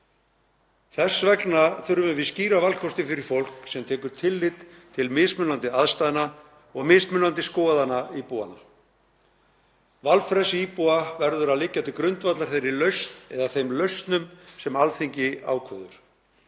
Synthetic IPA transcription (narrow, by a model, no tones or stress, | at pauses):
θɛsvɛknaθʏɾʏvɪvɪðsciːɾavalkʰɔst̪ɪfɪɾɪɾ̥fowl̥ksɛmt̪ʰɛːkʏɾ̥t̪ʰɪlːɪt̪t̪ʰɪlmɪsmʏnant̪ɪaðst̪ajðna | ɔɣmɪsmʏnant̪ɪskɔːðanaipua̰na | valfɾɛsiːpuavɛɾðʏɾaðlɪcːat̪ʰɪkɾʏnt̪vat̪laɾ̥θejɾɪlœɥst̪nɛðaθejmlœɥst̪nʏmsɛmalθeɲcɪa̰ːwkʰœðʏ̰ɾ̥